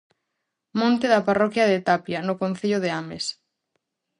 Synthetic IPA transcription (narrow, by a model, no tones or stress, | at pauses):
mõnt̪eðɐparɔkjɐðet̪apjanʊkõn̟θiʎʊðeames